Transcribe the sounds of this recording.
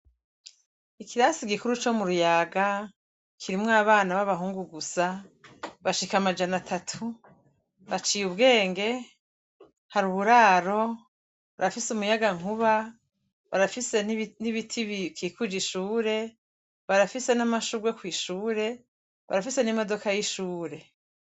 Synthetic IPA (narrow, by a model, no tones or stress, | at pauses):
ikʰiɾasiɡikuɾut͡ʃo̞muɾujaɡa | kʰiɾimŋaːβaːnaβaβaɦuːŋɡuɡusa | βaʃikamad͡ʒanatʰatʰu | βat͡ʃijuβɡe̞ːŋɡe̞ | haɾuβuɾaːɾo̞ | βaɾafisumujaɡaŋ̥uβa | βa̰ɾafisenniβitʰiβikiːkud͡ʒiʃuːɾe̞ | βaɾafise̞namaʃuɡwe̞kwiːʃuːɾe̞ | βa̰ɾafise̞nimo̞do̞kajiʃuːɾe̞